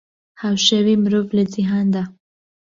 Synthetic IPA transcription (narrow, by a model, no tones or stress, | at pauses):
hawʃawimɾoblazɪɦɑnd̪a